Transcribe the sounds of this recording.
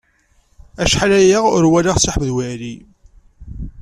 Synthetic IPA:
æʃħalæjaʁʊɾwælaʁsʊħvðwæɾi

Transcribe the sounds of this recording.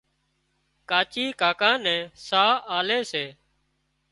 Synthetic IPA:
kaːt͡ʃiːkaːkãːnɛ̃ːsaːaːleːseː

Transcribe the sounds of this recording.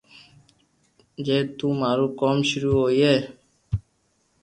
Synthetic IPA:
d͡ʒet̪umaɾukɔmʃuɾuɦoje

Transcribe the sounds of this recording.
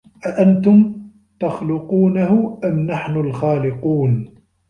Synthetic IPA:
ʔaʔant̪ʊm | t̪ɑxlʊquːnahʊʔamnaħnʊlxaːlɪquːn

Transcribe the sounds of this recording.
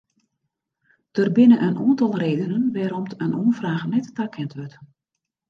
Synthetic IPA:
tərbɪnəʔənɔːntɑlˠreːdənənʋɛːɾɔmtʰənʔoənfraːɣənɛttakʰɛntʋøt

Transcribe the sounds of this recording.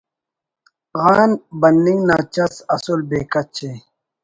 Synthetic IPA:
ɣaːnbɐndiŋɡnaːt͡ɕɐsɐsulbeːkɐt͡ɕʰe

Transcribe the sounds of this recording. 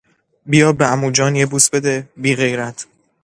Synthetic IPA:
bijɒːbeæmuːd͡ʒɒːnjebuːsbe̞d̪ebiːɣe̞jɾæt̪ʰ

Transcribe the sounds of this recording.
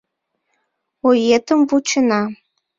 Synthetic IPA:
ojet̪ə̆mvut͡ɕə̆nɑ

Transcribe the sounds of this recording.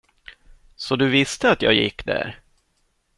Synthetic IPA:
sɔd̪ɵvɪst̪əat̪jɑ̰ːɡjɪ̰kːd̪æ̰ːɾ

